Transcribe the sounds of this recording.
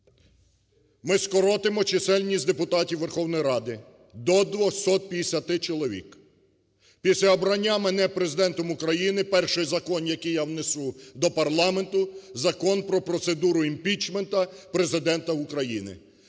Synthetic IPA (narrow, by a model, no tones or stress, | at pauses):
mɪskɔɾɔt̪emɔt͡ʃesɛlʲnʲisʲd̪e̞pʊt̪ɑtʲiwʋerxɔwnɔjɾɑd̪ɪ | d̪ɔd̪ʋɔxsɔt̪̚pʲj̪esʲɐt̪ɪt͡ʃɔlˠɔʋʲḭk | pʲisʲlʲɐɔbɾɐnʲːamenɛpɾezɪd̪ɛnt̪ɔmʊkɾɐjinɪpɛrʃɪjzɐkɔnjɐkijawnesud̪ɔpɐrlˠɑme̞nt̪ʊzɐkɔnpɾɔpɾɔt̪se̞d̪uɾʊimpʲit͡ʃment̪ɐpɾe̞zɪd̪ɛnt̪ɐukɾɐjinɪ̰